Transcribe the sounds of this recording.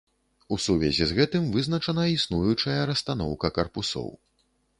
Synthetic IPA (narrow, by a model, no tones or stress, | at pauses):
usuvʲɛ̰zʲizɣɛt̪ɨmvɨznɐt͡ʂɐnɐisnujut͡ʂɐjɐɾɐst̪an̪ɔwkɐkɐrpusɔ̰w